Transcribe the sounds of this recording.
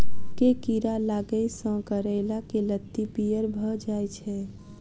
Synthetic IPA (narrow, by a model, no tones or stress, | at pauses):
kekiɾalaɡəjsə̃kəɾəɪlakelət̪ːipijəɾbʱəd͡ʒajt͡ʃʰɛ